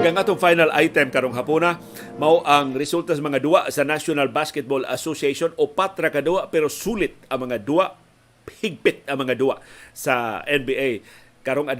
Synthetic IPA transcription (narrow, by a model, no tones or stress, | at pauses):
ɡaŋʔaːt̪oŋfajnala̰jt̪ɛmkɐɾoŋɦapuna | mawʔaŋɾɪsult̪asamɐŋad̪uwaʔsɐnasonalbaskɛt̪̚bola̰sosieʃonopat̪ɾakad̪uaʔpɛɾosuːlɪt̪̚ɐŋmɐŋad̪uaʔ | hɪɡ̚pɪt̪̚ɐŋmɐŋad̪uaʔsaʔɛnbiʔaj | kɐɾoŋad